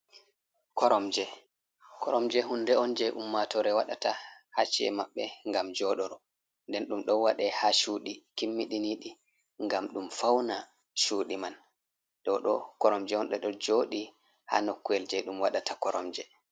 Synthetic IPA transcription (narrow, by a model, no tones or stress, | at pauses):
kʰɔɾɔmd͡ʒɛ | kʰɔɾɔmd͡ʒɛɦundɛɔnd͡ʒɛʔumːatɔɾɛwaɗatahat͡ʃiɛ̰maɓːɛŋɡamd͡ʒɔɗɔɾɔ | ndɛnɗumɗɔwaɗɛhaʃuːɗikimːiɗiniɗi | ŋɡamɗumfawna | ʃuːɗiman | ɗɔɗɔ̰kɔɾɔmd͡ʒɛhɔnɗɛɗɔd͡ʒoɗi | ha̰nokːuɛld͡ʒɛɗumwaɗatakɔɾɔ̰md͡ʒɛ